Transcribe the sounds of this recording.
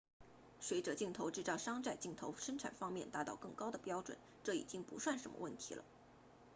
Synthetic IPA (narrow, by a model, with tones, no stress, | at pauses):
swe˧˥ɪʈ͡ʂɤ˨˩t͡ɕi˥˩ŋt̪ʰo˧˥ʊʈ͡ʂɻ̩˥˧t͡sɑ˥˩ʊʂɑ˥ŋt͡sa˥˧ɪt͡ɕi˥˩ŋt̪ʰo˧˥ʊʂə˥nʈ͡ʂʰa̰˨˩nfɑ˥ŋmjɛ˥˩nt̪a˧˥t̪ɑ˥˧ʊkɤ˥˩ŋkɑ˥ʊd̪ə˨pjɑ˥ʊʈ͡ʂwə̰˨˩˦n | ʈ͡ʂɤ˥˩ḭ˨˩t͡ɕi˥ŋpu˧˥swa˥˩nʂə˧˥nmə̰˧wə̰˥˩nt̪ʰḭ˧˥lə̰˧